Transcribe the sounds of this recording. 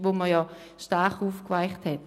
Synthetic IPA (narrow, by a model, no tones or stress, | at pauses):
ʋoməjɔː | ʃtaχuːfkvaɪχthɛt